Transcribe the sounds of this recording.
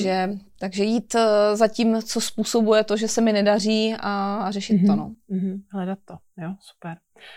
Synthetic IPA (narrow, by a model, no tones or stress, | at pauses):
ʒɛt̪aɡʒɛjiːt̪zaciːmt͡so̞spuːso̞bujɛt̪o̞ʒɛsɛmɪnɛdar̝iːarɛʃɪt̪ːonom̩ɦ̩ɦlɛdat̪ːo | josu̥pɛɾ